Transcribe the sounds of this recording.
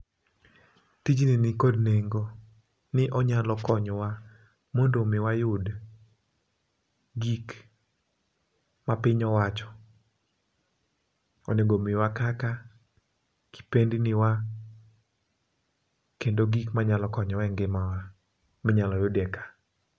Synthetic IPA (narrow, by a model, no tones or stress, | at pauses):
tid͡ʒninɪkɔdneŋɡo | nɪʔɔɲalɔkɔɲwa | mondomɪwajʊd | ɡik | mapɪɲɔwat͡ʃɔ̥ | ɔneɡomɪwakaka | kʰi̥pendinɪwa | kendoɡikmaɲalɔkɔɲɔwɛŋɡɪmawa | mɪɲalɔjʊdɛkḁ